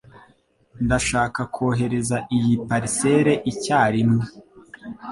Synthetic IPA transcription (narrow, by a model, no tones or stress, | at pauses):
ndaʃaːkakʰoːɦe̞ɾe̞zaʔijipaɾise̞ɾe̞ʔicaːɾino